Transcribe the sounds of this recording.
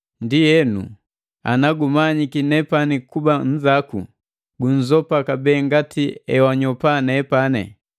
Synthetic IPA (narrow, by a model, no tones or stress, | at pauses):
ndijɛnṵ | a̰naɡumaɲikinɛpanikuban̩zakṵ | ɡuɲ̩zɔpakabɛːŋɡatiɛwaɲɔpanɛpanɛ̰